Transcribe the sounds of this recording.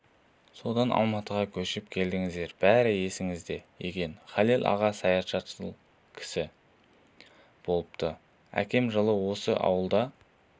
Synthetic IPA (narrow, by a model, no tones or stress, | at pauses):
so̞d̪ɑnʔɑ̰lˠmɑt̪əʁɑkʲʰɵʃɪp̚kʲʰe̞ld̪ɪŋɪzd̪eɾb̥æɾɪje̞sɪŋɪzd̪e̞jekʲe̞nχɑlelʲʔɑ̰ʁɑsɑjɑʃɑt̪ʃə | kʲʰɪ̥sɪ | b̥o̞lˠəp̚t̪ʰə | æ̰kʲe̞mʒəlˠəwo̞səʔɑ̰wəlˠd̪ɑ